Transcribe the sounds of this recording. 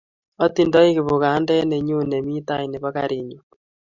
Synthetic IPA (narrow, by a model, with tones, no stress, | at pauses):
ɔ˦ti˦˨ndɔ˦i˦ɣi˨βo˨ɣa˨˦ndɛ˦ne˨ɲu˦ne˨mi˦ta˦i˨ne˨βa˦ka˨ɾi˨ɲo˨